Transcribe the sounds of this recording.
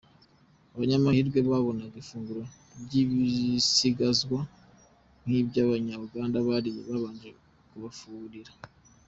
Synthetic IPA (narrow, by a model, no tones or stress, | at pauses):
aβaɲamahiːɾɡwe̞βaβo̞naɡifuːŋɡuɾo | bɟiβisiɡazɡwa | n̥hiːβjaβaɲaβuɡaːndaβaɾiβaβaːɲd͡ʒe | kuβafuːβuɾiɾa